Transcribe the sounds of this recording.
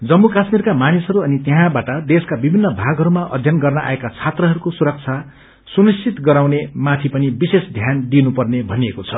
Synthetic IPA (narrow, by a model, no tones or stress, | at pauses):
d͡zʌmːukasmirkamanisɦʌɾuʌnit̪eɦãbaʈʌd̪eskabibʱinːʌbʱaɡʱɦʌɾumaʔʌd̪ʱjʌnɡʌrnʌʔa̰ekat͡sʰat̪rʌɦʌɾukosuɾʌk̚t͡sʰa | sunist͡sit̪ɡʌɾawnemat̪ʰipʌnibisesd̪ʱjand̪inupʌrnebʱʌniekot͡sʰʌ